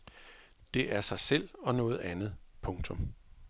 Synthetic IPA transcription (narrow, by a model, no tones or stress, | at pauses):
d̥e̝ʔæɐsɑ̈ɪsel̰ɒ̽nɔ̽ːð̞̩ˠænð̩ˠpʰɔ̽ŋt͡sʰɔ̽m